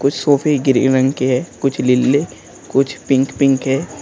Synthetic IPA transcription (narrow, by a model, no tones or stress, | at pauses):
kʊt͡ʃʰsoːpʰeɡɪɾḭɾə̃ŋɡkeɦɛːkʊt͡ʃʰlɪlːe | kʊt͡ʃʰpɪ̃ŋkpɪ̃ŋkɦɛː